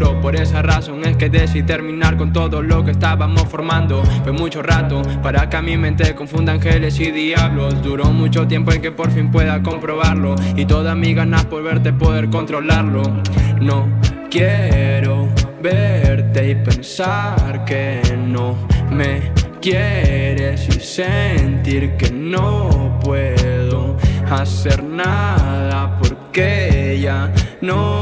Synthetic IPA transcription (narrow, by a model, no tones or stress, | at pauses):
ɾopo̞ɾe̞saraso̞ŋeske̞ðesit̪e̞ɾmĩnaɾko̞nt̪o̞ðolo̞kest̪aβamosfo̞ɾmãnd̪okemut͡ʃo̞rat̪opaɾakamĩmẽnt̪eko̞ɱfund̪aŋxelesiðiaβlosd̪uɾomut͡ʃo̞t̪je̞mpoeŋkepo̞ɾfimpwe̞ðako̞mpɾo̞βaɾlo̞it̪o̞ðamiɣanapo̞ɾβe̞ɾt̪e̞poðeɾko̞nt̪ɾo̞laɾlonokjeɾoβeɾt̪e̞ipensaɾkenomekjeɾesisent̪iɾkenopweðoaseɾnaðapoɾkeʝano